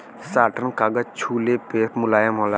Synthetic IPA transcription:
saːʈənkaɡət͡ʃʰuːlepeːpmʊlaːjamɔːla

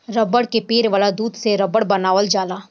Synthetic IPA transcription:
ɾɐbəɽkepeːɾʋaːlad̪uːd̪seɾɐbəɽbɐnaːʋəld͡ʒaːlaː

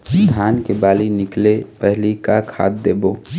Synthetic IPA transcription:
d̪ʰʱaːnkebaːlinɪklepɛɦlikakʰa̰ːt̪̚d̪eːboː

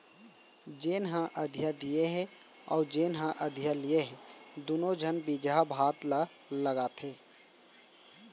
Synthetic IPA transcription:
d͡ʒeːnɦãʔəd̪ʱjad̪ijeɦɛ̃ | ɔ̰ːɾd͡ʒeːnɦãʔəd̪ʱjalijeɦɛ̃d̪unod͡ʒʱənbid͡ʒabʱaːt̪la | ləɡaːt̪ʰɦeː

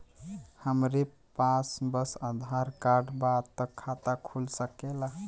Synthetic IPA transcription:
həmɾe | pasbəsəd̪ʱaɾkaɾɖbat̪ːəkʰat̪akʰulsəkela

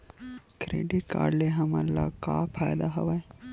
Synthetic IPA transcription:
kɾḛːɖiʈ̚ka̰ːɾɖleɦɐmɐ̰lːa̰kaːfʰaːjd̪aɦɐʋɐj

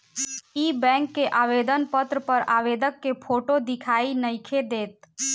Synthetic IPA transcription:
ibɛ̃ːŋkːeʔaʋed̪ənpət̪ɾəpəɾaʋeːd̪ʱəkːepʰoʈod̪ɪkʰaːinəɪkʰed̪eːt̪̚

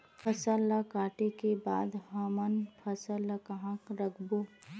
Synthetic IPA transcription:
pʰəsəlːakaːʈekeba̰ːd̪ɦamənpʰɐsəlakɐɦãkɾɐkʰbo

